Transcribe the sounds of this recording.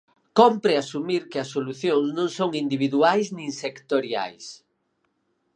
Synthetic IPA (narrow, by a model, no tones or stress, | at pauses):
kompɾɪasumiɾkɪɐsːoluθjoŋsnõŋsoŋind̪iβ̞iðuajsnĩŋsekt̪oɾja̰js